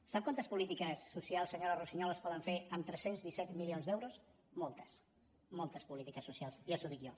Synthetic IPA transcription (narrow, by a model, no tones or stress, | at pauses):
sap̚kwant̪əspulit̪ikəsːusialˠsəɲoɾərusiɲɔləspɔðəɱfeəmt̪ɾɛsenzðisɛt̪milionzd̪ɛwɾus | mɔlˠt̪ə̥s | mɔlˠt̪əspulit̪ikəsːusialˠsiəsuðikio